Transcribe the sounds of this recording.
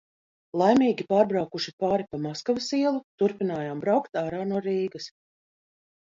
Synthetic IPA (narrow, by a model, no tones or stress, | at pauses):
lˠajmʲiːɡʲipaːɾbɾawkuʃipaːɾipamaskavɐsiɛlˠut̪uɾpinaːjaːmbɾawkt̪aːɾaːnuɔɾiːɡɐs